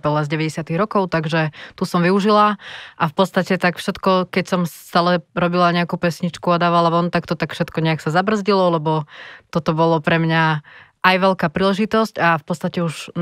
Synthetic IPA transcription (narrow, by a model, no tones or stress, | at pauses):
pɔlɛzɟɛʋɛɟɛsɪat̪iɣɾɔkɔʊt̪aɡʒɛt̪usɔmʋiuʒilaʔafpɔt̪t͡st̪acɛt̪akfʃɛt̪kɔkɛcsɔmsst̪aːlɛɾɔbilaɲɛakuːpɛsɲit͡ʃkuad̪aːʋalaʋɔnt̪akt̪ɔt̪akfʃɛt̪kɔɲɛaksazabr̩zɟilɔlɛbɔt̪ɔt̪ɔbɔlɔpɾɛmɲaʔajʋɛʎkaːpɾiːlɛʒit̪ɔscafpɔt̪t͡st̪acɛuʒ